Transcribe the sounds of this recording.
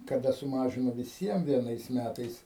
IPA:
kɐˈdɐ sʊˈmɑːʒʲɪnoː ʋʲɪˈsʲiɛm ʋʲiɛˈnɐɪs ˈmʲætɐɪs

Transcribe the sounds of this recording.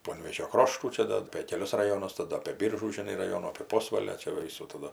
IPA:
ˈpoːnʲʋʲeːʒʲoː ˈkroːʃtuː ˈt͡ʃʲɛ dɐ ɐpʲeː kʲɛˈlʲʊs rɐˈjoːnʊs tɐˈdɐ ɐpʲeː ˈbʲiːrʒuː ʒʲɪˈnɐɪ rɐˈjoːnuː ɐpʲeː ˈpoːsʋɐlʲoː t͡ʃʲɛ ˈʋɐ ˈʋʲiːsuː tɐˈdʊ

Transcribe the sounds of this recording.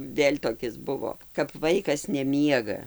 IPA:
ˈʋʲeːlʲ toːˈkʲɪs ˈbʊʋoː kɐp ˈʋɐɪkɐs nʲɛˈmʲiɛɡɐ

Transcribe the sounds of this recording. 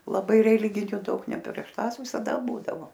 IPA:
lˠɐˈbɐɪ rʲɛˈlʲɪɡʲɪnʲʊ ˈdɐʊk nʲɛ pʲrʲiɛʃ ˈtɑːs ʋʲɪsɐˈdɐ ˈbuːdɐʋoː

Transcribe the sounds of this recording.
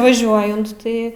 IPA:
ʋɐˈʒʲuɔjɛnt ˈtɐɪ

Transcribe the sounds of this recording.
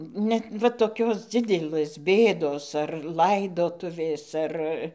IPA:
ˈnʲɛt ʋɐ toːˈkʲoːs ˈd͡zʲɪdʲɛlˠɘs ˈbʲeːdoːs ɐr ˈlˠɐɪdoːtʊʋʲeːs ˈɐr

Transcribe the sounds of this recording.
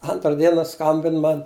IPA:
ˈɐntrɐ ˈdʲiɛnɐ ˈskɐmʲbʲɪn ˈmɐn

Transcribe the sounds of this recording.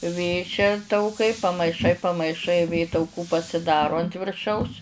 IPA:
ˈʋʲeː t͡ʃʲɛ tɐʊˈkɐɪ pɐmɐɪˈʃɐɪ pɐmɐɪˈʃɐɪ ˈʋʲeː tɐʊˈkuː pɐsʲɪˈdɑːroː ɐnt ʋʲɪrˈʃɐʊs

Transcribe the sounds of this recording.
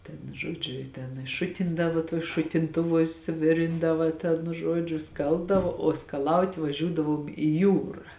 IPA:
tʲɛn ʒoːˈd͡ʒʲʊ ɪ tʲɛn ɪ ˈʃʊtʲɪndɐʋoː tuɔs ʃʊtʲɪnˈtʊʋuɔsʲ ˈʋʲɪrʲɪndɐʋɐ tʲɛn ˈʒuɔd͡ʒʲʊ ˈskɐlˠbdɐʋoː oː skɐˈlˠɐʊtʲ ʋɐˈʒʲuːdɐʋoːm ɪ ˈjuːrɐ

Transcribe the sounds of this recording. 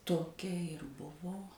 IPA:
toːˈkʲɛ ɪr ˈbʊʋoː

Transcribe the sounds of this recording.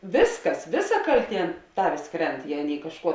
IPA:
ˈʋʲɪsˌkɐs ˈʋʲɪˌsɐ ˈkɐlʲˌtʲiɛ ˈtɑːʋʲeːs ˈkrʲɛnt ˈjɛɪ ˈɑːˌnʲeːɪ kɐʃˈkuɔ

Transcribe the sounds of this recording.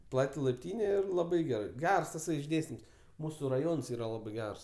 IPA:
ˈplˠɑːtʲɪ lˠɐɪpʲˈtʲiːnʲɛ ˈɪr lˠɐˈbɐɪ ɡʲɛˈrɐɪ ˈɡʲɛrs tɐˈsɐɪ ɪʒʲˈdʲeːsʲtʲɪms ˈmuːsʊ rɐˈjoːns ˈiːrɐ ˈlˠɑːbɜ ˈɡʲɛrs

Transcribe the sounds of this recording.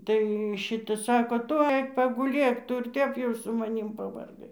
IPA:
ˈtɐɪ ˈʃʲɪtɐ ˈsɑːkoː ˈtʊ ˈɐɪk pɐɡʊˈlʲeːk ˈtʊ ɪr ˈtʲɛp jɛʊ sʊ mɐˈnʲiːm pɐʋɐrˈɡɐɪ

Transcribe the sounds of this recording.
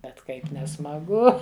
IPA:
bʲɛt ˈkɐɪp nʲɛsmɐˈɡʊ

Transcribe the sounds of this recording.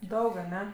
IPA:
ˈdɐʊk ɐˈnʲɛ

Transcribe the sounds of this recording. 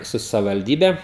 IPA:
ˈsʊ sɐʋʲɪʋɐlʲˈdʲiːbʲɛ

